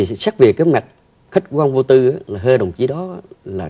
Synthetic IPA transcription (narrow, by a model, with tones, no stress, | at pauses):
i˨˩sa˦˥k̚vi˨˩əkːaː˨˦jma˨˩t̚ | xə˦˥t̟̚kwaː˧nvo˧t̪ɨ˧ʔaː˨˦laː˨˩ɦəː˧ɗə˨˩wŋ͡mt͡ɕi˨˦ɗɔ˨˦aː˨˦laː˨˩